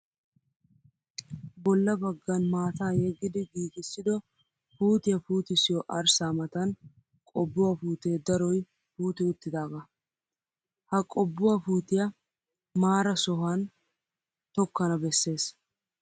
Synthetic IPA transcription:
bɔlːɐbɐɡːɐnmaːt̪aːjɛɡːɪd̪ɪɡiːkʼɪsːɪd̪ɔ | fuːt̪ɪjɐfuːt̪ɪsɪjɔʔɐɾsaːmɐt̪ɐn | kʼɔbːʊwaːfuːt̪e̞ːd̪ɐɾɔj | fuːt̪ɪʊt̪ːɪd̪aːɡɐ | hɐkʼɔbːʊwaːfuːt̪ɪjɐ | maːɾɐsɔɦan | t̪ɔkːɐnɐbɛsːe̞ːs

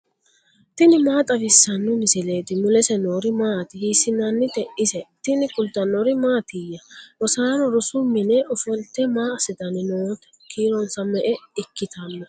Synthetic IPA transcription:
t̪ɪnɪmaːt̪ʼɐvɪsːɐnːʊmɪsɪle̞ːt̪ɪmʊlɛsɛnoːɾɪmaːt̪ɪhiːsɪnɐnːɪt̪ɛʔɪsɛt̪ɪnɪkʊld̪ɐnːɔɾɪmaːt̪ɪjːɐwɔsaːɾɔɾʊsʊmːɪnɛʔɔfɔlt̪ːɛmaːɐsɪd̪ɐnɪnoːt̪ɐ̥ | kʰiːɾɔnsɐmɛʔɛɪkːɪt̪ʰɐnːɐ

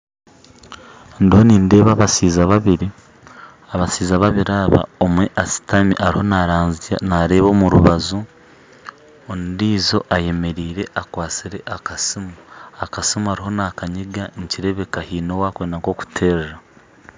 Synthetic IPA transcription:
ndiho̞niːnde̞ːβaːβasiːzaβaβiɾi | aβasiːzaβaβiɾaːβa̰omweʔasi̥tamiʔaɾiho̞naɾaːnz̰naɾe̞ːβo̞ːmuɾuβazu | ondiːzo̞ʔaje̞me̞ɾiːɾe̞ʔakwaːt͡siɾe̞ʔakasimuakasimuaɾiɦo̞nakaɲiɡaniciɾe̞βe̞kahiːno̞wakweːndaŋko̞ku̥tʰe̞ːɾera

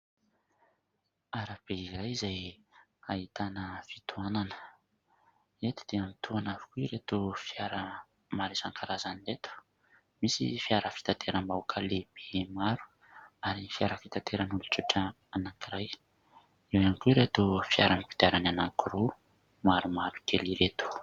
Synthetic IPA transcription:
aɾab̥eiɾajzaj | ait̪anəfi̥t̪ʰuananə̥ | et̪i̥d̪̥eamit̪uanavi̥kuiɾet̪ufiaɾə | maɾesaŋkʰaɾazanilet̪u̥ | misḭfiaɾəfi̥t̪at̪ʰeɾəmbaukʰaleb̥emaɾu̥ | aɾifiaɾəfit̪at̪ʰeɾənuluʈ͡ʂiʈ͡ʂə | anaŋkiɾaj | ewankuiɾet̪ofiaɾamipid̪̥aɾananaŋkiɾu | maɾumaɾu̥keliɾet̪u̥

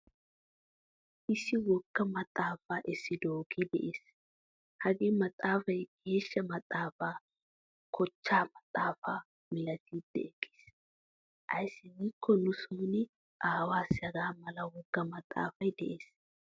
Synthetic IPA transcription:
ʔɪsːɪwɔɡ̥ːɐmɐt̪ʼːaːfaːʔɪsːɪd̪oːkʰid̪ɛ̰ʔeːs | hɐɡɪmɐt̪ʼːaːfɐjɡ̥e̞ːʃːɐmɐt̪ʼːaːfaː | kʰɔt͡ʃːaːmɐt̪ʼːaːfaː | mɪlɐt̪ʰiːd̪̥ːɛ̰ɛɡːi̥ːs | ʔɐ̰jsːɪŋɪkʰːɔnʊsuːnɪ | ʔaːwaːsɐɡaːmɐlɐwɔɡ̥ːɐmɐt̪ʼːa̰ːfɐjd̪ɛʔeːs

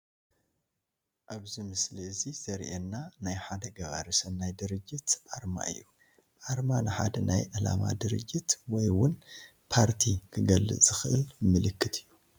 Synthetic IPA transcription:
ʔaβzimɨsliɨziz̥ɐɾʔenːanajħad̪ɐɡɐβa̰ɾɨsɐnːajd̪ɨɾɨd͡ʒːɨt̪ʔaɾma̰ɨ̰jːu | ʔaɾmanɨħa̰d̪ɐnʔajʔɨla̰ma̰d̪ɨɾɨ̰d͡ʒːɪt̪wɔjwʊn | pʰaɾt̪ʰikʰɨɡɐlːɨ̰z̥ɨxɨʔɨlmɨlɨkːɨt̪ʰɨjːu

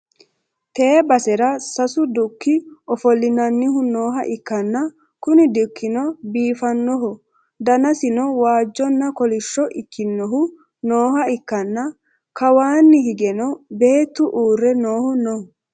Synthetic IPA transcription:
t̪eːbɐsɛɾɐsɐsʊd̪ʊkːɪɔfɔlːɪnɐnːɪɦʊno̞ːɦɐ̰ʔɪkːɐnːɐ | kʊnɪd̪ʊkʰːɪnɔbiːfɐnːɔɦɔ | d̪ɐnɐsɪnɔwaːd͡ʒːɔnːɐkɔlɪʃːɔʔɪkːɪnːɔɦʊ | noːhɐɪkːɐnːɐ | kɐwaːnːɪhɪɡɛnɔbe̞ːt̪ːʊʔuːrːɛnoːhʊnɔ

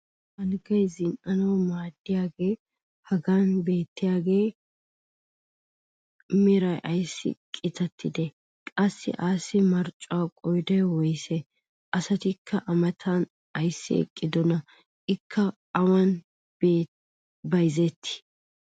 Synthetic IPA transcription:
ʔɐlɡɐjzɪnʔɐnɐwmaːd̪ːɪjaːɡe̞ː | hɐɡaːnbe̞ːt̪ːɪjaːɡe̞ː | mɪɾɐjʔɐjsːɪ̰kʼɪt̪ɐt̪ːɪd̪ɛ | kʼɐsːɪ̰ʔaːsɪmɐɾt͡ʃʼʊaːkʼɔjd̪ɛwɔjsɛ | ʔɐsɐt̪ɪkʰːɐʔɐmɐt̪ʰan | ɐjsːɪ̰ɛ̰kʼːɪd̪ɔnɐ | ʔɪkʰːɐː | wɐn | b | bɐjzɛt̪ːɪ̥

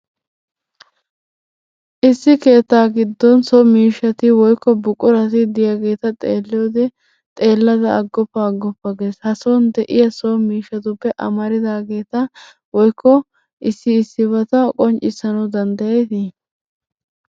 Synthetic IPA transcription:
ʔɪsːɪke̞ːt̪ːaːɡɪd̪ːɔnsɔmiːʃɐt̪ɪwɔjkːɔbʊkʼːʊɾɐt̪ɪd̪ɪjaɡe̞ːt̪ɐt̪ʼeːlːɪoːd̪ɛ | t̪ʼe̞ːlːɐd̪ɐːɡːɔpːɐːɡːɔpːɐɡe̞ːshɐsond̪ɛʔɪjɐsomiːʃːɐt̪ʊpːɛʔɐ̰mɐɾɪd̪aːɡe̞ːt̪ɐ | wɔjkʰːɔ | ʔɪsːɪːsːɪβɐt̪ɐkʼɔnt͡ʃʼːɪsɐnɐwd̪ɐnd̪ɐjeːt̪ɪ

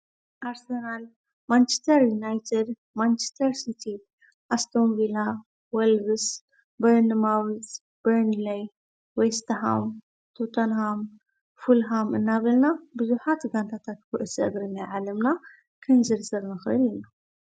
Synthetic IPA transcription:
ʔaɾsenal | mant͡ʃest̪ʰɐɾjunajt̪ʰed̪ | mant͡ʃʰe̥st̪ʰɐɾsit̪ʰi | ʔast̪ʰonvila | wɛlɡɨs | bɐɾnɨmawit͡sʼ | b̥ɐɾnilaj | wejst̪ʰɦa̰m | t̪ʰot̪ʰonɦam | fulɦamɨnːaβɐlnabɨzuħat̪ɡant̪ʰat̪ʰat̪bɨʔɨsʔɐ̰ɡɾɨnːajʕalɐmna | kʰɨnzɨɾzɐɾnɨxɨʔɨlina

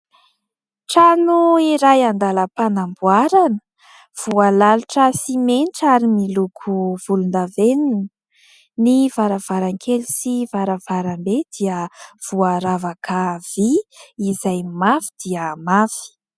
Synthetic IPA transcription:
ʈ͡ʂanuiɾajand̪aləpanambuaɾanə | v̥ualaluʈ͡ʂəsimenʈ͡ʂaɾimilukʰuv̥ulund̪aveninə | nivaɾav̥aɾaŋkʰelusivaɾavaɾambed̪̥iəv̥uaɾavakʰav̥iːzajmafi̥d̪̥iəmafi̥

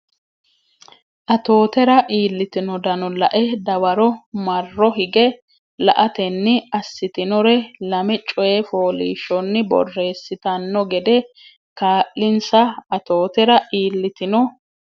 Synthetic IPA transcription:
ʔɐt̪o̞ːt̪ɛɾɐʔiːlːɪt̪ɪnɔd̪ɐnɔlɐʔɛd̪ɐwɐɾɔmɐrːɔɦɪɡɛ | lɐ̰ʔɐt̪ɛnːɪɐsːɪt̪ɪnɔɾɛlɐmɛt͡ʃʼɔjɛfo̞ːlḭːʃɔnːɪbɔ̰rːe̞ːsːɪt̪ɐnːɔɡɛd̪ɛ | kaːʔːɪnsɐɐt̪o̞ːt̪ɛɾɐʔiːlːɪt̪ɪnɔ

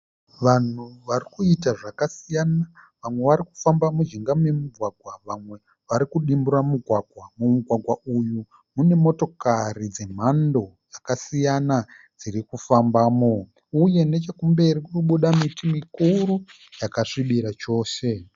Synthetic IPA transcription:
ʋan̤uʋaɾikuitaʐakasijanaʋamwe̞ʋaɾiku̥fambamud͡ʒiŋɡamuje̞muɡʱwaɡʱwaʋamwe̞ | ʋaɾikuɗimburamuɡʱwaɡʱwamumuɡʱwaɡʱwauju | mune̞mo̞to̞karid͡ze̞m̤ando̞ | jakasijana | d͡zirikufambaːmo | uje̞ne̞t͡ʃe̞kumbe̞ɾikukuɓuɗamitimikuɾu | jakaʂiɓiɾat͡ʃo̞ːʃe̞

